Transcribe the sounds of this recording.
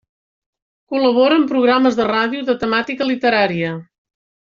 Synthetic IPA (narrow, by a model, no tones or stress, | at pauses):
kuləβoɾəːmpɾuɣ̞ɾaməzðəraðijuðət̪əmat̪ikəlit̪əɾaɾiə